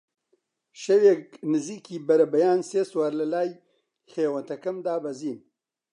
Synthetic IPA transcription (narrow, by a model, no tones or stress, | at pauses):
ʃɐweːknɨziːkʰiːbɐɾɐbɐjaːnseːswaːɾlɐlaːj | xeːwɐnt̪ɐkɐmd̪aːbɐziːn